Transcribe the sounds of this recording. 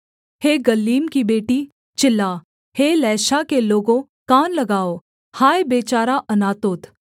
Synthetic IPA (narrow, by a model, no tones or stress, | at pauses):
heːɡɐliːmkibeːʈi | t͡ʃɪlːaː | heːlɛːʃakeloːɡõ | kaːnlɐɡaːo | haːjebeːt͡ʃaːɾaʔɐnaːt̪oːt̪